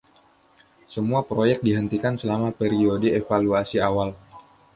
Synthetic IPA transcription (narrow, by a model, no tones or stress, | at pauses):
səmuapɾojɛk̚diɦənt̪ikansəlamapeɾiodəefaluasiawal